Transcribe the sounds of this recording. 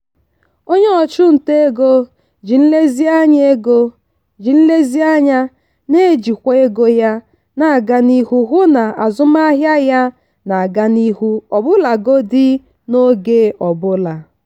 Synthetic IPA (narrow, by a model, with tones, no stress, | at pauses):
o˦ɲe˦ɔ˨t͡ʃʊ˦n̩˨te˦e˦ɡo˦ | d͡ʒi˨n̩˦le˦zi˦a˦ɲ˦e˦ɡo˦ | d͡ʒi˨n̩˦le˦zi˦a˦ɲa˦ | ne˦˨d͡ʒi˨kʷe˦e˦ɡo˦ja˦ | na˨a˨ɡa˦ni˦hu˦ɦʊ˦na˨a˨zʊ˦ma˦ɦja˦ja˦ | na˨a˨ɡa˦ni˦ɦu˦ɔ˨bʊ˦la˨ɡo˦dɪ˦ | no˦ɡe˦ʔɔ˨bʊ˦la˨